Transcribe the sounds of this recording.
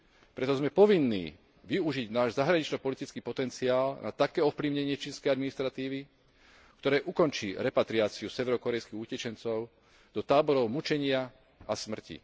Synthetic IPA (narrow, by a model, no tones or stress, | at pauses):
pɾɛt̪ɔzmɛpɔʋinːḭː | ʋiuʒiɟnaːʒzaɦɾaɲit͡ʃnɔpɔlit̪it͡skiːpɔt̪ɛnt͡siaːlnat̪akɛːɔfpliʊɲɛɲɪɛt͡ʃiːnskɛjad̪minist̪ɾat̪iːʋi | kt̪ɔɾɛːʔukɔnt͡ʃḭːɾɛpat̪ɾiaːt͡siusɛʋɛɾɔkɔɾɛjskiɣucɛt͡ʃɛnt͡sɔʊ | d̪ɔt̪aːbɔɾɔʊmut͡ʃɛɲɪa | asmr̩cḭ